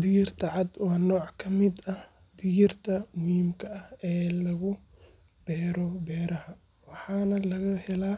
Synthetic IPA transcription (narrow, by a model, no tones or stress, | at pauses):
d̪ɪjɪrt̪ʰɐʕɑd̪wɑːnɔːʕkʰɐmɪd̪ɐh | d̪ɪjɪrt̪ʰɐmʊhiːmkʰɐɐhɛːlɐɣʊ | b̥ɛːɾɔbɛːɾɐhɐ | wɑħɑːnɐlɐɣɐhɛlaː